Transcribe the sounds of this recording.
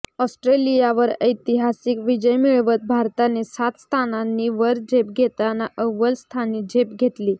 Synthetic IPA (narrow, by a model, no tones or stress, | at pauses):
ɔsʈɾelijaʋəɾəjt̪iɦasikʋid͡ʑəjmiɭʋət̪̚bʱaɾt̪anesat̪st̪ʰananːiːʋəɾd͡ʑepɡʱet̪anaʔəʋəlst̪ʰaniːd͡ʑʱepɡʱet̪liː